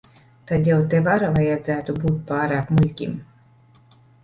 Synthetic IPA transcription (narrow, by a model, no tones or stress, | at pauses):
t̪ad̪jawt̪evaɾavajad̪zæːt̪ubuːt̪̚ʲpaːɾaːpmulʲkʲḭm